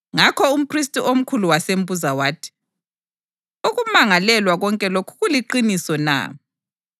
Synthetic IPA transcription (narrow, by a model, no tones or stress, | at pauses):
ŋakʰɔum̩pʰristʼiʔom̩kʰuluwasem̩buzawaːtʰi̥ | uɣumaŋalɛlwaɣɔŋkʼɛlokʰu̥ɣuliǃinisɔna̰